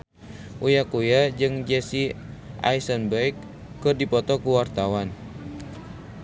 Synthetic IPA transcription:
ʔujakujad͡ʒɨŋd͡ʒɛsi | ʔa̰isənbɛikː | ɨrdipɔt̪ɔkuwart̪awan

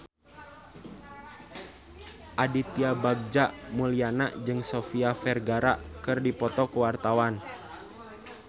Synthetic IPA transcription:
ʔadit̪iabaɡ̚d͡ʒaʔmulianaʔd͡ʒɨŋsofiafɛrɡaɾaʔkɨrdipɔt̪ɔkuwart̪awan

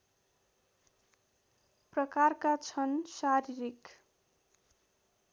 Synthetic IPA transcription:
prʌkarkat͡sʰʌnsaɾiɾik

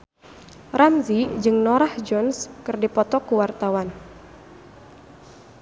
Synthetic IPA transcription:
ramzid͡ʒɨŋnɔɾahd͡ʒɔnskɨrdipɔt̪ɔkuwart̪awan

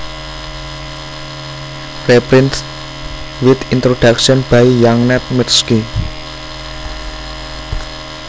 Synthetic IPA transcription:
repɾɪnt̪ | wɪt̪int̪ɾod̥akʃɔnb̥aijaŋnɛt̪̚mərski

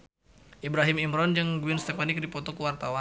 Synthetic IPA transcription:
ʔibɾaɦimimɾɔnd͡ʒɨŋɡuinst̪efanɪk̚dipɔt̪ɔkuwart̪awa

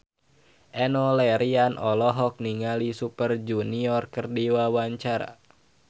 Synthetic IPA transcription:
ʔɛnɔlɛɾianʔɔlɔɦɔk̚niŋalisupərd͡ʒuniɔrkərdiwawaɲt͡ʃaɾa̰

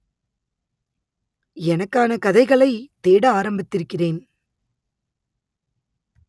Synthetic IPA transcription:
ɛnɐkːaːnɐkɐðɐɪɣɐɭɐɪt̪eːɽɐaːɾɐmbɪt̪ːɪɾɯkːɪreːn

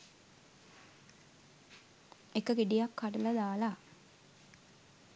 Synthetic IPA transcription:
ekəɡiɖijakːaʈuləd̪aːla

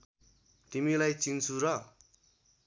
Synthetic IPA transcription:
t̪imilajt͡sint͡sʰuɾʌ

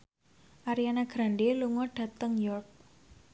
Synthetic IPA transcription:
ʔaɾianaɡ̥ɾaɳɖeluŋɔɖ̥ä̤t̪əŋjɔrk̚

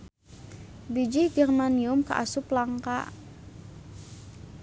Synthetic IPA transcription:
bid͡ʒiɡɛrmaniʊmkəʔa̰sʊplaŋka̰

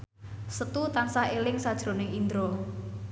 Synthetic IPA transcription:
sət̪ut̪ansahelɪŋsad̥ʒ̥ɾo̤nɪŋind̪ɾo

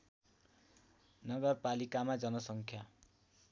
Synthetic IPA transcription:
nʌɡʌrpalikamad͡zʌnʌsʌŋkʰja

